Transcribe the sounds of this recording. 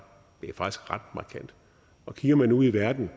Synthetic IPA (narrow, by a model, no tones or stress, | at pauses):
b̥iɐfɑ̈ɡ̥isɡ̥ʁɑ̈d̥̚mɑ̈kʰæn̰d̥ | ɒ̽kʰiɡ̥ɐmænuð̰ˠiʋæɐd̥n̩